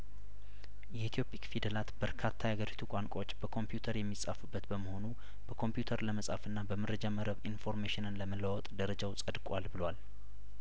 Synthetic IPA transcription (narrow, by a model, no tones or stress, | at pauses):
jɛit̪ʰijo̞pʼikfid̪əlat̪b̥əɾkʰat̪ʰːajaɡəɾit̪ʰukʷʼaŋkʷʼo̞t͡ʃːb̥əkʰo̞mpjut̪ʰəɾjɛmːisʼa̰fɨbːət̪bəməho̞nu | b̥əkʰo̞mpjut̪ʰəɾləməsʼa̰fɨnːabəməɾəd͡ʒaməɾəβinfo̞ɾmeʃɪnɨnləmələwɔt̪ʼd̪əɾəd͡ʒawsʼəd̪kʼalbɨlwal